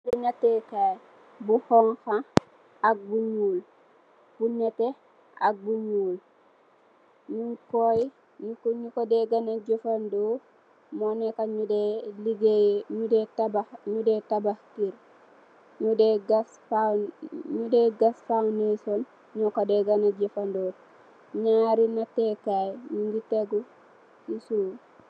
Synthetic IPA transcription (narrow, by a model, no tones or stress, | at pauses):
uɲatekaj | buhɔŋxa | ak̚buɲuːl | b̥uɲate | ʔa̰k̚buɲuːl | ɲuŋkoji | ɲukɲukodeɡanaɟufando | mɔnekaɲudeliɡeɲudetabaɲudetabahkiɾ | ɲudeɡasfaɲudeɡasfawneson | ɲukodeɡanaɟefandoː | ɲaɾinatekajɲuŋɡiteɡu | sisuː